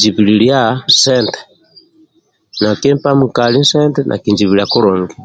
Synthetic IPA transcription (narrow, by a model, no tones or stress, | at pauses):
d͡ʒiβiliɺjasɛntɛ̥ | nakɛmpamukalinsɛntɛnʔa̰kind͡ʒiβiɾiakuɾɔːŋɡi